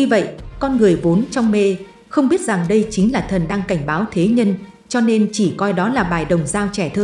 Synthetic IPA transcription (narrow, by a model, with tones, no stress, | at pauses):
ɲɨ˧və̰˧˨jʔkɔ˧nŋɨ˨˩əjvo˨˦nt͡ɕɔ˧wŋ͡mme˧ | xə˧wŋ͡mɓi˦˥ət̚za˨˩ŋɗə˧jt͡ɕï˨˦ŋ̟laː˨˩t̪ʰə˨˩nɗaː˧ŋka˧˩jŋ̟ɓaː˨˦wt̪ʰe˨˦ɲə˧n | t͡ɕɔ˧ne˧nt͡ɕi˧˩kɔ˧jɗɔ˨˦laː˨˩ɓaː˨˩jɗə˨˩wŋ͡mzaː˧wt͡ɕɛ˧˩t̪ʰɨ˧ŋ